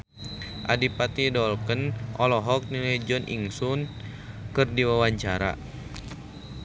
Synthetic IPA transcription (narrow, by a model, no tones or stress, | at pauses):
ʔa̰dipat̪idɔlkənʔɔlɔɦɔk̚niləjd͡ʒɔnʔḭŋsun | kɨrdiwawaɲt͡ʃaɾa̰